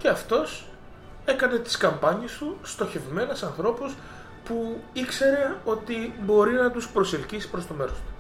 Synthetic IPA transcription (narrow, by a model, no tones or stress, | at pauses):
ce̞ɐft̪o̞s | e̞kɐne̞t̪i̥skɐmpɐɲist̪ust̪o̞çe̞vme̞ne̞sɐnθɾo̞pus | puikse̞ɾe̞o̞t̪ibo̞ɾinɐt̪uspɾo̞selcisi̥pɾo̞st̪o̞me̞ɾost̪u̥